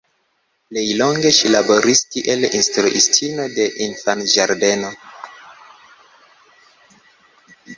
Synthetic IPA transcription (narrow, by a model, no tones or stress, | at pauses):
plejlo̞ŋɡe̞ʃilabo̞ɾistiʔelinstɾuʔistʰino̞de̞ʔinfanʒaɾde̞no̞